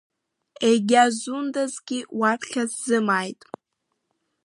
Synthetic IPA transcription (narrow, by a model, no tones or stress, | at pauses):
eɡʲazundazɡʲiwarχʲazzɨmajtʼ